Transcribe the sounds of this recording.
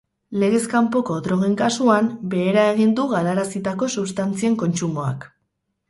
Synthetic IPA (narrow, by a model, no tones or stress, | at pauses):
le̞ɣ̞e̞skampo̞ko̞ðɾo̞ɣ̞e̞ŋkasuambe̞ːɾae̞ɣ̞ind̪uɣalaɾasit̪ako̞suβst̪ant͡sieŋko̞nt͡ʃumo̞a̰k